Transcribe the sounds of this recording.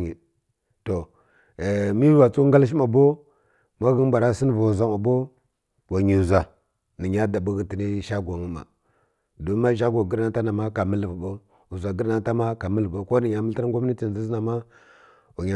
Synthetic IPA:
i˨ | to˨ | mi˦wa˨t͡su˦ŋɡa˦lʃ̬i˦ma˨bo˦ | ma˦ɣə˦n˦ba˨ɾa˦si˦n˦va˨u˨za˦ma˨bo˦ | wa˨ɲi˨u˨za˨ | ni˨ɲa˦da˨bu˦ɣi˦ti˨ni˦ʃa˦ɡʷa˨ŋu˦ma̰˨ | do˦a˦ʃa˦ɡa˨ɡə˦ɾa˦ta˦na˨ma˦ka˨mə˦lva˨bo˦ | u˨za˨ɡə˦ɾna˦ta˦ma˦ka˨mə˦lbo˦ko˦ni˨ɲa˨mə˦lta˦ɾŋ˦ɡʷa˦m˦i˦ti˨n˨zi˦zna˨ma˦ | wa˨ɲa˨

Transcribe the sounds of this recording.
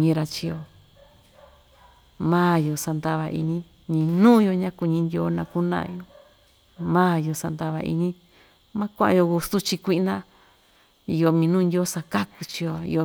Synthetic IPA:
ɲĩ˧˦ɾa˧t͡ʃi˧jo˧ | mãː˦jo˨sa˧nd̪a˧βa˧ʔḭ˧ɲĩ˧ | ɲĩ˧nũː˦jo˧ɲã˦ku˧ɲĩ˧˦nd̪ʲjo˨˦nã˧ku˦nã̰˧ʔjo˧ | mãː˦jo˧sa˧nd̪a˧βa˧˨ʔḭ˧ɲĩ˦ | mã˦kʷã˦a̰˧jo˧ɣu˧su˦t͡ʃi˧kʷi˧nã˦ | i˧jo˧mĩ˧nũ˦˧nd̪ʲjo˦sa˧ka˦ku˧t͡ʃi˧jo˧ḭ˧jo˧

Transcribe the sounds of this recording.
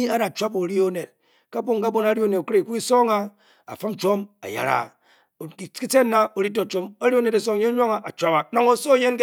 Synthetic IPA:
i˦a˦da˨t͡ʃʷa˦po˨ɾi˦o˦ne˨t̚ | ka˦bo˦ŋka˦bo˦na˦ɾi˦o˦ne˨tkɾe˨ku˦i˦so˦ŋa˦ | a̰˨fɨ˦m˦t͡ʃo˦ma̰˨ja̰˨ɾa̰˨ | ki˦t͡se˦nːa˦o˨ɾi˦to˨t͡ʃo˦mo˦ɾi˦o˦ne˨da˨so˦ŋ˦je˦ɲʷ˦a˦ŋa˨ʔa˨t͡ʃʷa˦pa˨na˨ŋo˨so˦˨je˦n˦k

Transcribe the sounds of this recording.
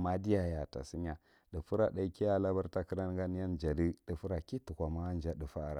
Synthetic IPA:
ma˦di˦ja˨ja˨ta̰˨si˦ɲa˨ | də˨fu˦ɾa˨ɗa˨i˦ki˦a˦la˦ba˦ɾta˦ki˦ɾa˦n˦ɡa˦n˦ja˦nd͡ʒa˨di˦də˨fu˦ɾa˨ki˦tu˨kʷa˨ma˦n˦d͡ʒa˦də˨fa˦˨ɾa̰˨

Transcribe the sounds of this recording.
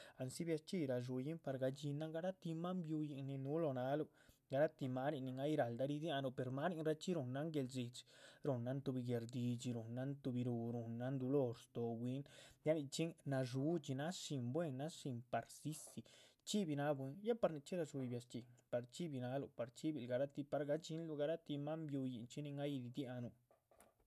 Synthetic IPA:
a˨nsi˦bja˧st͡ʃi˧ɾa˧ʒ̬u˧ji˦mpa˧ɾɡa˧d͡ʒi˧na˦ŋɡa˧˦ɾa˦t̪i˧ma˦mbju˧ji˧ni˧nu˦lo˧na˧˦lu˧ | ɡa˧ɾa˦t̪i˧ma˦ɾi˧ni˧ŋa˦i˧˦ɾa˨ld̪a˧ɾi˧d̪ja˧no˧˨pe˨ɾma˦ɾi˧nɾa˧t͡ʃi˦ɾu˧nːa˧˦ŋɡe˧lzi˧˨t͡ʃɾo˨nːa˦nt̪u˧bi˧ɡe˧ɾd̪i˧t͡ʃi˧ɾo˨nːa˦nt̪u˧bi˧ɾu˧ɾo˧nːa˦nd̪o˧lo˦˧ɾst̪o˧bwi˦nd̪ja˦ni˧t͡ʃi˦na˧ʐ̬u˦t͡ʃi˧na˦ʃi˧mbwe˦˧˨nːa˦ʃi˧mpa˨ɾsi˦si˧˨t͡ʃi˦bi˧na˦bwe˧nja˦pa˧ɾni˧t͡ʃi˦ɾa˧ʃu˧i˧bja˧st͡ʃi˨pa˨ɾt͡ʃi˦bi˧na˧˦lo˧˨pa˨ɾt͡ʃi˦bi˧˨lɡa˧ɾa˦t̪i˧pa˧ɾɡa˧t͡ʃi˦nlu˧ɡa˧ɾa˦t̪i˧ma˦mbju˧ji˨nt͡ʃi˦ni˧ŋɡa˦jd̪i˧d̪ja˧no˨

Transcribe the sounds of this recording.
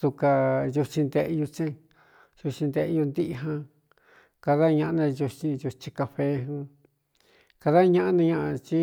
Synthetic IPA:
t̪u˧ka˧ju˧t͡ʃĩ˧nd̪e˧ʔju˧t͡ʃẽ˦ | ju˧t͡ʃĩ˧nd̪e˧ʔju˧nd̪i˦ʔɦã˧ | ka˧ða˦˧ɲã˧ʔnã˧ju˧t͡ʃĩ˧ju˧t͡ʃĩ˧ka˧ɸe˧˦ɦũ˧ | ka˧ða˦˧ɲã˧ʔa˦nã˧ɲã˧ʔa˧t͡ʃi˦

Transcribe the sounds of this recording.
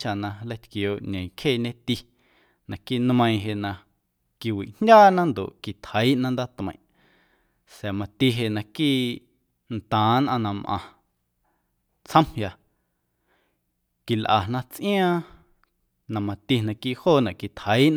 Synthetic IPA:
t͡ʃa˨nã˧lə˧jt̪koː˨ʔɲẽ˨kʰeː˦˨ɲẽ˦t̪i˧ | nã˨kiː˦nmə̃˧ĩ˧ɦe˨ʔnã˧ | ki˧wḭ˨ʔn̥dʲaː˦nã˦nd̪o̰˨ʔki˨t̪hə˨˦i˦ʔnã˦nd̪a˦t̪mə̃˨ʔ | sa˨mã˧t̪i˧ɦe˧ʔnã˧kiː˦˨ | nt̪ãː˨˦nʔã˧nã˧mʔã̰˧˨ | t͡sʰə̃˦mhja˧ | ki˨lʔa˨nã˧t͡sʔĩ˦ãː˦ | nã˨mã˧t̪i˧nã˧kiː˦ʔhoː˦˨nã˨ʔki˨t̪hə˨˦i˦ʔn

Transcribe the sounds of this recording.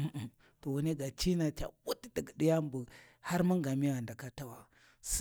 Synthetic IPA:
ʔ | to˨wu˨ne˦ɡa˨t͡ʃi˦na˨t͡ʃa̰˨wu˦tdə˨ɡɗi˦ja˦mbu˨ | ha˦ɾmu˦ŋɡa˨mi˦wa˨nda˨ka˦ta˦wa˨ | s

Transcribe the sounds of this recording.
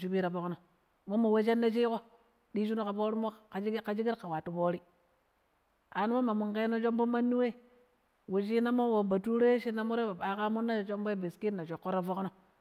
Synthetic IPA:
t͡ʃu˦bi˦ɾa˨bo˦kno˨ | mo˦ma˨we˦ʃ̬e˦nːa˦t͡ʃ̬i˦ko˦ | ɗi˦ʃ̬u˦no˦ka˨po˦ɾi˦mo˦kka˨d͡ʒi˦ɡi˦ɾka˨wa˨tu˨poː˦ɾi˦ | a˨nu˦mo˦ma˨mu˨ŋke˦no˦t͡ʃo˦m˦bo˦ma˦nːu˦we˦˨ | we˨t͡ʃi˦na˦mo˦wo˨ba˨tu˦ɾo˦ʃi˦na˦mo˦ɾe˦ba˨ɓa˨˦ka˦mu˦nːa˦˨t͡ʃo˦mbo˦be˨ski˦na˨t͡ʃo˨kːo˦ɾa˦vo˦kno˦

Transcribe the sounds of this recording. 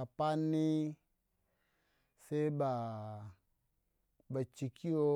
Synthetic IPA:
a˨pa˦nːi˦ | se˦i˦ba˨ | ba˨t͡ʃi˨kʰi˦o˧˦

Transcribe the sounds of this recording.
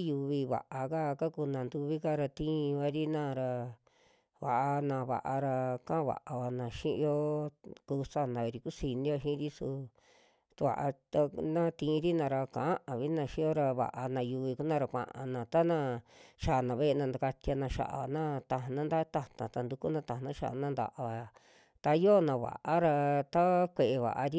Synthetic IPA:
ju˧βi˧βa̰˨ʔa˧ka˦˧ka˦ku˧nã˨nd̪u˧βi˦ka˦ɾa˧t̪ĩ˦˧βa˧ɾi˦nã˦˧˨ɾa˧ | βa̰˨ʔa˧nã˧βa̰˨ʔa˧ɾa˧kã˦˧βa̰˨ʔa˧βa˧nã˨ʃĩ˦ʔjo˦ku˧sa˦˨nã˨βe˧ɾi˧ku˦si˧nĩ˦jo˧ʃĩ˦ɾi˦su˧ | t̪u˧βa̰˨ʔa˧t̪a˧nã˦t̪ĩ˧ɾi˦nã˧ɾa˧kã̰˨ʔa˦ʔã˨βi˦nã˧ʃĩ˦o˦ɾa˧βa̰˨ʔa˧nã˧ju˧βi˧ku˦nã˧ɾa˧kʷã̰˧˨ʔã̰˧nã˨t̪a˦nã˧ʃa˨nã˨βe˦e˧nã˧nd̪a˧ka˧t̪a˧nã˧ʃa̰˧˨ʔa̰˨nã˦t̪a˧ɦnã˦d̪a˦t̪a˧t̪ã˨t̪a˧nd̪u˧ku˦nã˧t̪ã˨nã˦ʃa̰˧ʔa̰˧nã˦nd̪a̰˧ʔa˧βa˧˨ | t̪a˧jo˦nã˧βa̰˨ʔa˦ɾa˧t̪a˦kʷe˨ʔe˧βa̰˨ʔa˧ɾi˦

